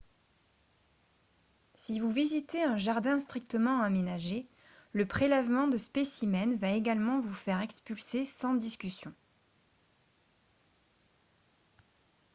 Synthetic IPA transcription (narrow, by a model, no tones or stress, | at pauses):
sivuvizit̪eɛ̃ʒaʁd̪ɛ̃st̪χik̚t̪əmɑ̃amenaʒe | ləpχelɛvmɑ̃d̪əspesimɛnvaeɡalmɑ̃vufɛʁɛkspylsesɑ̃d̪iskʲysjɔ̃